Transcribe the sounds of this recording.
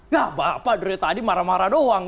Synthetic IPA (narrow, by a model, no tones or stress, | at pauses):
ɡabapadəɾet̪adimaɾamaɾadoaŋ